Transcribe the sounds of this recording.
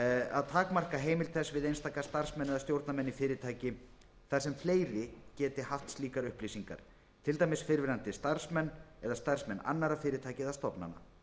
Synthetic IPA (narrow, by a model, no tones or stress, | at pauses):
a̰ðt̪ʰaːkmar̥kaɦeːjmɪlt̪ʰθɛsvɪðejnst̪aːkḁst̪ar̥smɛnːɛðast̪jowɾt̪namɛnːifɪːɾɪt̪ʰaːjcɪ | θaɾ̥sɛmfleːjɾɪcɛːt̪ɪɦaft̪st̪liːkaɾʏhplisiŋka̰ɾ̥ | t̪ʰɪlt̪aːjmɪsfɪɾvɪɾant̪ɪst̪aɾ̥smɛnːɛðast̪ar̥smɛnːa̰nːaɾafɪːɾɪt̪ʰaːjcɪðast̪ɔpna̰nːa̰